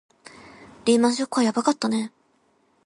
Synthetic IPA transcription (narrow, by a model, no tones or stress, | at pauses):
ɾʲiːmãɰ̃ɕokːɯ̟βajabakat̪ːane̞